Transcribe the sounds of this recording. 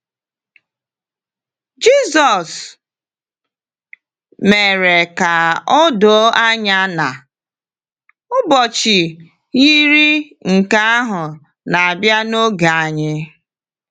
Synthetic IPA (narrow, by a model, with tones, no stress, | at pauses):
d͡ʒi˦sɔ˨s | me˨ɾe˨ka˨ɔ˦do˨˦a˦ɲa˦na˨ | ʊ˦bɔ˨t͡ʃi˨ | i˦ɾi˦ | ŋ̩˨ka˦a˦ɦʊ˨ | na˨a˨bja˦no˦ɡa˨a˨ɲɪ˦